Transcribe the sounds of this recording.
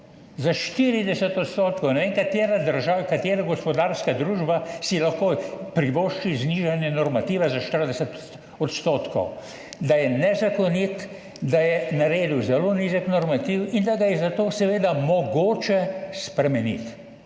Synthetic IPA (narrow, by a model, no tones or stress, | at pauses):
zaʃt̪iɾid̪ɛsɛt̪ɔt̪st̪oːt̪kɔwnɛʋeŋkat̪jeːɾad̪əɾʒawkat̪jeːɾaɡɔspɔd̪aːɾskad̪ɾuːʒbasilaxkopɾiʋoʃt͡ʃizniʒanjɛnɔɾmat̪iʋazaʃt̪əɾd̪ɛsɛt̪ | ɔt̪st̪oːt̪kɔ̰w | d̪ajɛnɛzakɔnit̪ | d̪ajɛnaɾeːd̪uwzɛloːniʒəknɔɾmat̪iwind̪aɡajɛzat̪oːsɛʋeːd̪amɔɡoːt͡ʃɛspɾɛmɛnḭt̪